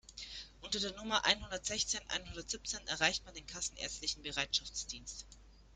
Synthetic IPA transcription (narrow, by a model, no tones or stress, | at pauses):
ʔʊntɐdeːɐnʊmɐʔa̰ɪnɦʊndɐtz̥ɛçt͡seːnʔa̰ɪnhʊndɐtz̥ip̚t͡seːnɛ̰ɐʁaɪçtmandeːnkʰasn̩ʔḛɐt͡stlɪçn̩bəʁaɪtʃaft͡sd̥iːnst